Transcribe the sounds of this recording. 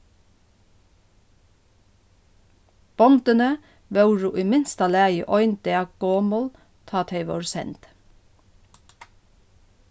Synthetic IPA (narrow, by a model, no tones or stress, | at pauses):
b̥ɔmd̪ənə | ʋœʉɹʊːʔiːmɪnst̪ɑlæːjəʔɔʏnd̪eɑɡ̥oːmɔːl | t̪ʰɑːt̪ʰeɪʋo̰ɾsɛ̰nt̪